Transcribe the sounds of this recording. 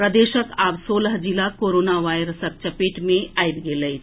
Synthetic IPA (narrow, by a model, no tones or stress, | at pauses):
ɾəd̪eːʃəkaːbsoːləɦd͡ʒilakoːɾoːnaʋaːjɾəsɐp̚t͡ʃɐpeːʈmẽaːibɡeːləj